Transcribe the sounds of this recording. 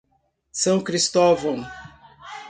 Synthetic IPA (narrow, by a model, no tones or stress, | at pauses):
sɐ̃w̃kɾist̪ovɐ̃w̃